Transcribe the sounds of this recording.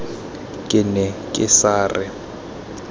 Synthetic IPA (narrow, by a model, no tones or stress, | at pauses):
kʼɪnɛkʼɪsaːrɪ